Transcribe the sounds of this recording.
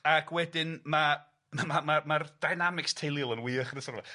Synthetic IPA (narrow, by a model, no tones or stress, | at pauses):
akʰwɛdɪnma | mamamard̥ajnamɪkstʰejlˠilˠənwiːəχnəsɔrva̰